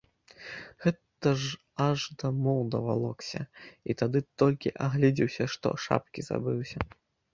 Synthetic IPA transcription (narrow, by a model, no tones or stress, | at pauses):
ɣɛt̪ɐʐ | aʐd̪ɐmɔwd̪ɐva̰lˠɔksʲɐ̰ḭt̪ad̪ɨt̪ɔlʲkʲiʔaɣlʲid͡zʲiwsʲɐʂt̪ɔ̰ʂa̰pkʲiz̥a̰bɨwsʲɐ